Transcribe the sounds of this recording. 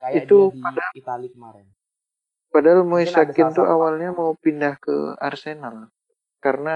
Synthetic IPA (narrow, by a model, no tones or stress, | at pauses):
it̪upada | padaalmoisakɪnt̪uʔawalɲamaupindahkə̰a̰rsenal | kaɾəna